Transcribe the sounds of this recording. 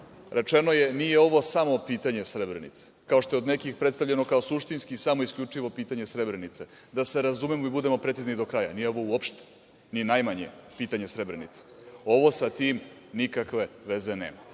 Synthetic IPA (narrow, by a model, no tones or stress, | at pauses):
ɾe̞t͡ʂeno̞je̞nije̞o̞ʋo̞samo̞piːt̪aɲe̞sɾebɾenḭt̪se̥kao̞ʃt̪o̞jo̞d̪nekixpɾet̪st̪aʋʎeno̞kao̞suʃt̪inskisamo̞iskʎʲut͡ʂiʋo̞piːt̪aɲe̞sɾebɾe̞nit̪se | d̪ase̞ɾazumemoibud̪e̞mo̞pɾet̪siznid̪o̞kɾaja̰nijeo̞ʋo̞uopʃt̪e̥ | ninajmaɲḛpiːt̪aɲe̞sɾebɾenḭt̪se̥o̞ʋo̞sat̪iːmnikakʋe̞ʋe̞ze̞nḛːma